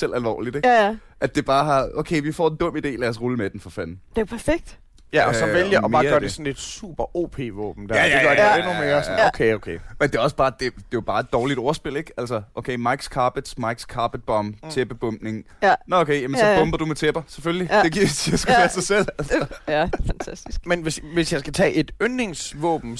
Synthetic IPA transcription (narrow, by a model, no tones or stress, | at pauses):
sel̰ʔælʋɒ̰ːlid̥eɡ | ʔæd̥ːe̝b̥ɑ̈ːɦɑ̈okʰeɪʋifɒ̰ːe̝nd̥ɔ̽m̰id̥e̝̰ːlæɐsʁuləmed̥n̩fɒ̽fæn̩d̥epʰæɐfeɡ̥̚d̥ | jæɒsɒʋeljɑʔɒmɑ̈ɐɶɐdesɒn̩e̝d̥sṵːb̥ɐʔo̝̰ːpʰe̝̰ːʋɔ̰ːb̥m̩d̥æ̰ɐ̥eɡ̥ɶɐaenumeːɐsɔnokʰeokʰemend̥e̝ɒ̽sb̥ɑ̈ːd̥e̝d̥e̝job̥ɑ̈ːe̝d̥ɒːlid̥ɒɐsb̥e̝l̰e̝ɡ̥æl̰sɐʔokʰeːmɑ̈ɪɡ̥skʰɑ̈ːb̥əd̥smɑ̈ɪɡ̥skʰɑ̈ːb̥əd̥̚b̥ɒ̽mt͡sʰeb̥əb̥ɔ̽m̰b̥ne̝ŋ | nɔokʰejæmənsɒb̥ɔ̽mb̥ɐd̥umet͡sʰeb̥ɐsefølli̥e̝ɡ̥iɐ̰isʰiæsɡ̥u̥æɐsɑ̈ɪsel̰ælsɐfænt͡sʰæsd̥isɡ̥menʋesʋe̝sjɑ̈ɪsɡ̥æt͡sʰɛ̰ːʔe̝d̥øne̝ŋsʋɔ̰̽ːb̥m̩